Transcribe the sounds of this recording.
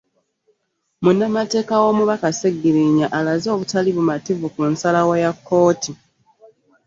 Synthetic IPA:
munːamate̞ːkawo̞ːmuβakaseɡːiɾiɲaʔalazo̞ːβutaliβumativukunsalawajakːo̞ːti

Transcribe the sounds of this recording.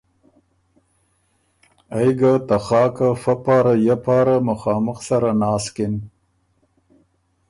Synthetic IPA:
ajɡat̪axɑːkafapɑːɾajapɑːɾamaxɑːməxsaɾanɑːskɪn

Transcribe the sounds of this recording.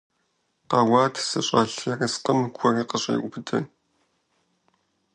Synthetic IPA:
qaːwaːtʰsɐ̰ɕʼɐɬɐrɐsqəmɡʷʰɔriːqəɕʼḭːʔʷʊbɨtʰɐ̰

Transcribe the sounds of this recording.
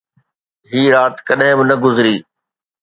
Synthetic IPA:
ɦiːɾaːt̪kɐɗɦɪ̃bɪnɐɡʊzɾiː

